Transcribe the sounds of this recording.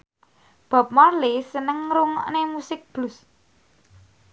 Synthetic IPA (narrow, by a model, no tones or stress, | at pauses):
b̥a̤p̚mɔlisənəŋɾuŋɔ̰ʔnemusɪk̚b̥lʊs